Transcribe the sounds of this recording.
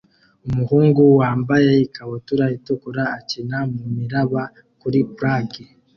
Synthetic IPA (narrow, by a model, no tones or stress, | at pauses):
umuhuːŋɡuwaːmbajeikaβotuɾaitukuɾaːcinamumiɾaβa | kuɾipuɾaɡi